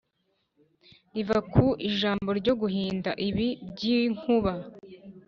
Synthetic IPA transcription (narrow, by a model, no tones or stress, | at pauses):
ivakʰuʔiʒaːmbo̞ɾɟo̞ɡuɦiːndaʔiβibɟiŋhuβa